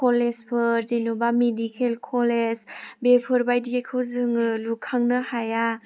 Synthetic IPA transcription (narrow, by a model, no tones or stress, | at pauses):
kʰolespʰɯɾzenobamedikʰelkʰɔlesbepʰɯɾbajdiekʰɯwzɯŋɯlukʰaŋnɯhaja